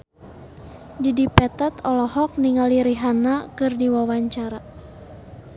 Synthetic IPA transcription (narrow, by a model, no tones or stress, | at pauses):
didipɛt̪at̪ɔlɔhɔk̚niŋaliɾiɦanakɨrdiwawaɲt͡ʃaɾa